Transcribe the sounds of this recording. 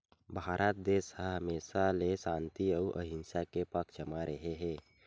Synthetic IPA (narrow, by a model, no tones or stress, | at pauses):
bʱaːɾʔat̪̚d̪eːsɦəɦəmeːsalesãːnt̪iəuʔə̰ɦɪnsakepəkʰd͡ʒəmaɾəɦeɦɛ̃ː